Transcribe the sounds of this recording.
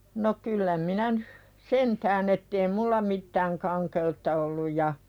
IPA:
no kylːæ minæ nyh sentæːn etːei mulːɑ mitːæːŋ kɑŋkeutːɑ olːuj jɑ

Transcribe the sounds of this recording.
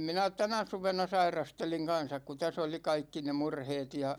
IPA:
minæ tænæ suʋenɑ sɑirɑsteliŋ kɑnsɑk ku tæs oli kɑikːi ne murheːt jɑ

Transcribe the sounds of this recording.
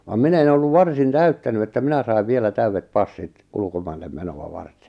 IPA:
ʋɑm minæ̆ en olːuʋ ʋɑrsin tæytːæny etːæ minæ sɑi̞ʋ ʋielæ tæyʋːet pɑsːit ulkomɑilːem menoɑ ʋɑrte̥

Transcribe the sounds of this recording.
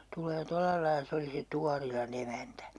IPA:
tulˑeː tolːɑlɑilɑ̆ se oli se tuɑrilɑn emæntæ

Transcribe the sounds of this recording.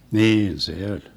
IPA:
niːn se olʲ

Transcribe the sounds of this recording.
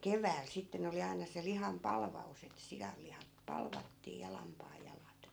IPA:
keʋæːl sitːen oli ɑinɑ se lihɑm pɑlʋɑus et sijɑlːihɑp pɑlʋɑtːiː jɑ lɑmpɑːjːɑlɑt

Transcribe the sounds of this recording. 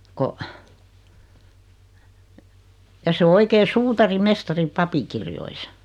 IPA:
ko jɑ se o oikeː suːtɑrimestɑri pɑpikirjoisɑ

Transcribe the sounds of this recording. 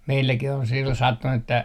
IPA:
meilːækih on silːon sɑtːunu etːæ

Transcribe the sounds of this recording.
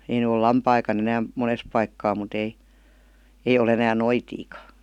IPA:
ei ny ol lɑmpɑikɑn enæːm mones pɑikːɑː mut ei ei ol enæːn noitiːkɑ

